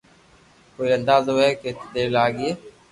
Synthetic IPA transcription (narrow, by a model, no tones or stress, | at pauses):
koːiːənd̪aːzoːɛːket̪d̪eːlaːɡieː